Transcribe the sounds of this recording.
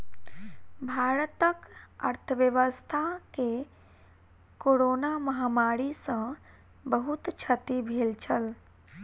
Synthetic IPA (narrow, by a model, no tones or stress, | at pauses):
bʱaɾət̪əkə̰ɾt̪ʰəʋjəʋəst̪ʰake | koɾonaməɦamaɾisə̃ | bəɦut̪t͡ʃʰət̪ibʱelt͡ʃʰəl